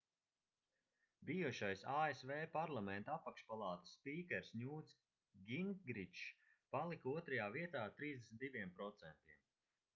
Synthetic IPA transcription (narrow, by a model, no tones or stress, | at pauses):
bijuʃajsaːesveːpaɾlˠamɛnt̪aapakʃpalˠɑːt̪ḁsːpiːkʲɛɾsnʲuːt̪s | ɡʲiŋɡɾit͡ʃ | palˠikuɔt̪ɾajaːviɛt̪aːt̪ɾiːzd̪esnt̪d̪iviɛmpɾɔt̪sɛnt̪iɛm